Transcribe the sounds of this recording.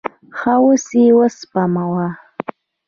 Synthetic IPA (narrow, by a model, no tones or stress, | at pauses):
χawʊsiwaspʼamawa